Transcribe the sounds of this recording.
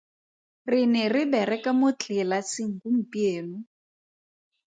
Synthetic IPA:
rɪnɛrɪbɛɾɛkʼamʊt͡ɬʼɪlasɪŋ̩kum̩pieːnʊ

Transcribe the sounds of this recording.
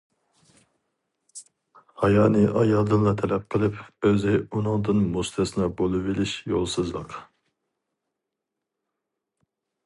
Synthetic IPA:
hɑjɑːnɨʔɑjɑlˠd̪ɨnlˠɑt̪ʰɛlɛp̚qʰəlˠɨpøzɪunuŋd̪ɨnmust̪ʰɨsɨnɑbolˠɨvilɪʃjolˠsɨzlˠɨq

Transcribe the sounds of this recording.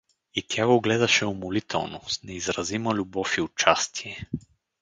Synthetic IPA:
it̪ʲjaɡoɡlɛd̪ɐʃɛʊmolit̪ʰɛ̰lˠnosnɛizɾɐzimɐlʲʊbɔfiʊt͡ʃast̪ʰiɛ

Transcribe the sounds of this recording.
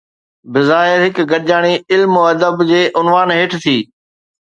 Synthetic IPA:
bɪzaːɪɾɦɪkɡɐʄaːɽ̃iɪlmoːɐd̪əbd͡ʑeːʔʊnʋaːnɦeːʈʰt̪ʰiː

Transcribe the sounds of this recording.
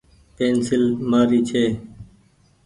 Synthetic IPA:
peːnsɪlmaːɾiːt͡ʃʰeː

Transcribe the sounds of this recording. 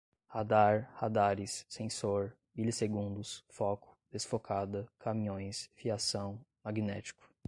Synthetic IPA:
had̪aɾhad̪aɾɪsːẽsoɾ | milɪseɡũnd̪ʊsfɔkʊ̥d̪̥esfokʰad̪ɐkʰamĩɲõj̃sfiasɐ̃w̃maɡinɛ̰t͡ʃi̥kʊ̥

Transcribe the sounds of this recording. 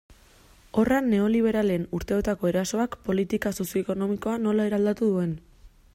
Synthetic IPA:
o̞ranːe̞o̞liβ̞e̞ɾale̞nuɾt̪e̞ot̪ako̞e̞ɾaso̞akpo̞lit̪ikaso̞sjo̞eko̞no̞miko̞ano̞lae̞ɾald̪at̪uðue̞n

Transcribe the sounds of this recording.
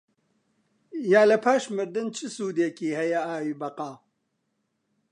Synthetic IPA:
jaːlɐpʰaːʃmɨɾd̪ɨnt͡ʃʰɨsuːd̪eːkiːhɛjɛaːwiːbɐqaː

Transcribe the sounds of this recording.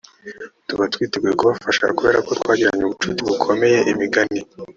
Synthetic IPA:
tuβatwiːtibɡekuβafaʃa̰kuβe̞ːɾako̞twaːɟiɾaɲeuβut͡ʃutiβukʰo̞me̞je̞ʔimiɡani

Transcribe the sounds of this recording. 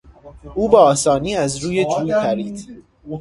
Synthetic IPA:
ʔuːbeɒːsɒːniːæzɾuːjed͡ʒʰuːt̪ʰæɾiːd̪

